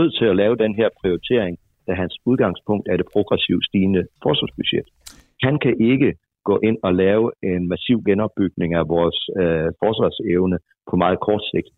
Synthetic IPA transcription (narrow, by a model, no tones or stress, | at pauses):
øð̰ˠt͡sʰe̝lælɛːʊəd̥enɦeɐpʰʁioʁit͡sʰe̝ɐ̰eŋ | d̥æɦænsuð̞ˠɡ̥ɑ̈ŋspʰɔ̽ŋ̰d̥æɐd̥e̝pʰʁo̝ɡ̥ʁɛsiʊ̰̥sd̥iːnəfɒːsʋɑsb̥yɕed̥ | hænkʰæʔe̝ɡ̥ə | ɡ̥ɔ̰̽ːʔe̝n̰ɒ̽lɛːʊe̝nmæsiʊ̰ɡ̥enɒ̽b̥yɡ̥ne̝ŋæʋɒːsfɒːsʋɑ̈seʊnə | pʰɒ̽mɑ̈ːð̞̩ˠkʰɒːd̥se̝ɡ̥̚d̥